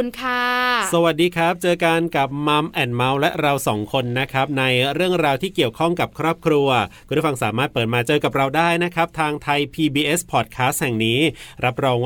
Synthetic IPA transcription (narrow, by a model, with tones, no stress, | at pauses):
kʰaː˥˩sa˧wa˨˩t̪̚diː˧kʰɾa˦˥p̚t͡ɕɤː˧ka˧nka˨˩p̚ma˦˥mʔɛː˨˩nma˦˥wlɛ˦˥ɾa˧wsɔː˩˦ŋkʰo˧nːa˦˥kʰa˦˥p̚na˧jɾɯ˥˩əŋɾaː˧wt̪ʰiː˥˩ki˨˩əwkʰɔ˥˩ŋka˨˩p̚kʰɾɔː˥˩p̚kʰɾu˧ɐkku˨˩t̪ʰːfa˧ŋsaː˩˦maː˥˩t̪̚pɤː˨˩t̪̚maː˧t͡ɕɤː˧ka˨˩p̚ɾa˧wdaː˥˩jna˦˥kʰɾa˦˥p̚t̪ʰaː˧ŋt̪ʰa˧jpʰiː˧biː˧ʔe˦˥spʰɔː˨˩t̪̚kʰaː˦˥st̪̚hɛ˨˩ŋniː˦˥ɾa˦˥p̚ɾɔː˧ŋw